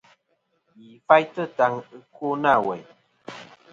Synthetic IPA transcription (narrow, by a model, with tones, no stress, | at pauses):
ji˨fa˦jtə˦˨ta˨˧ŋɨ˦ku˦na˦˨wɛ˨